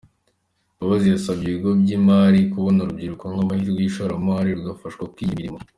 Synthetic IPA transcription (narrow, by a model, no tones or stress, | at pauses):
aβazijasabɟiβiɡo̞bɟimaːɾikuβo̞nuɾubɟiɾukoŋɡamahiːɾɡwiʃoɾamaɾiɾuɡafaʃkwakwijimiɾimo